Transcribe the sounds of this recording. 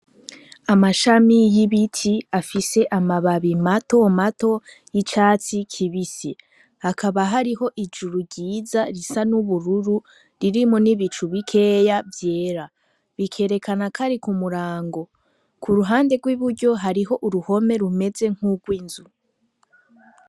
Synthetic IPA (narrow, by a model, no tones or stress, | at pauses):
amaʃamijiβitʰiafise̞ʔamaβaβimato̞mato̞ | jit͡ʃaːt͡sikʰiβisi | hakʰaβaɦaɾiɦo̞ʔid͡ʒuɾuɟiːzaɾisanuβuɾuɾu | ɾiɾimoniβit͡ʃuβikʰe̞ːjavje̞ːɾa | βikʰe̞ːɾe̞kʰanakʰaɾikumuɾaːŋɡo̞ | kʰuɾuɦaːnde̞ɡwiβuɟo̞ɦaɾiɦo̞ʔuɾuho̞me̞ɾume̞ze̞ŋ̥huɡwiːnzu